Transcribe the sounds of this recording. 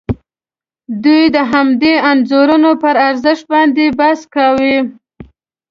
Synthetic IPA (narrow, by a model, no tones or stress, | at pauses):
d̪ujd̪əɦamd̪eanzoɾunopəɾaɾzəʃt̪̚bɑnd̪ebaskawi